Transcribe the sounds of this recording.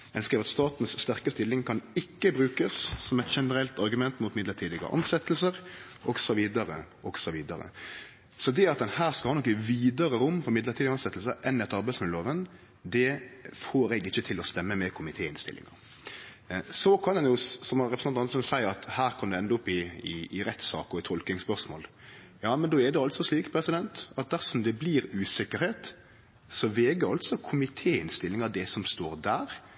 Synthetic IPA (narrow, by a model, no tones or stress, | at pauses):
ɛnskɾiːʋɑt̪st̪ɑːt̪nsst̪æʁkəst̪ɪlːɪŋkʰɑnɪkːəbɾʉːkəssɔmɛt̪ʃɛnəɾɛlt̪ɑɾɡʉmɛnt̪muːt̪mɪd̪ləʈ̪ʰiːd̪ɪɡə̰ʔɑ̰nsɛt̪ːəl̩səɾ | ʔɔɡsɔʋiːd̪əɾəʔɔɡsɔʋiːd̪əɾə̰ | sɔd̪ɛɑt̪̚d̪ɛnhæːʁskɑlhɑːnɔkːɪʋiːd̪əɾəɾʊmːfɔɾmɪd̪ləʁt̪iːd̪ɪɡɑnsɛt̪l̩səʔɛnːɛt̪ːɑɾbæɛɪsmɛnloːʋən | d̪ɛfoːɾɛɡɪçːət̪ʰɪlɔst̪ɛmːəmɛkʰʊmɪt̪ʰeːɪnst̪ɪ̰lʔɪ̰ŋə̰ɾ | sɔkʰɑnɛnjʊsɔmhɑɾɛpɾsɑɑsɔnsæɪɑt̪hæːɾkʰɑmd̪ɛɛnd̪əʊpːɪɪːɾɛt̪ːsɑ̰ːkɔɾɪt̪ʰɔlknɪŋspœʁʂmo̰ːl | jɑːmɛnd̪oːɛd̪ɛɑlt̪sɔsliːkpʰɾɛsɪd̪ɛnt̪ɑt̪̚d̪æɾsɔmd̪ɛbliɾʉːsɪkːəɾheːt̪ | sɔʋɛːɡəɾɑlt̪sɔkʰʊmɪt̪ʰeːɪnst̪ɪlːɪŋɑɾd̪ɛsɔmst̪oːɾd̪æːɾ